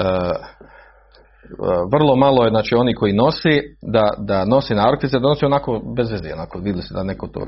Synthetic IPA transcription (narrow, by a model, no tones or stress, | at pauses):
ə | ʋr̩lˠo̞malˠojeznaːt͡ʃiːo̞niko̞ino̞sed̪ad̪ano̞senaːɾokt̪it̪sed̪anoseonakobezʋezḛonakoʋid̪ʲɪlised̪anekot̪o̰ː